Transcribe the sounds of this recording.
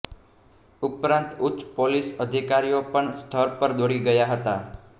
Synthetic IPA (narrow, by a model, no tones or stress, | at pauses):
upɾãnt̪ut͡ʃːpolisəd̪ʱikaɾiopəɳst̪ʰəɾpəɾd̪oɽiɡəjaɦət̪a